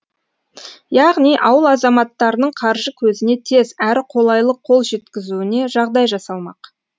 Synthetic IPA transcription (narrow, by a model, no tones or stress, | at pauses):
jɑʁnijʔɑwəlˠɑzɑmɑt̪ːɑɾənəɴqʰɑɾʒəkʲʰɵzɪne̞t̪ʰe̞zæɾɪqʰo̞lˠɑjlˠəqʰːo̞lˠʒe̞t̪kʲɪzuɪne̞ʒɑʁd̪ɑjʒɑsɑlˠmɑ̰q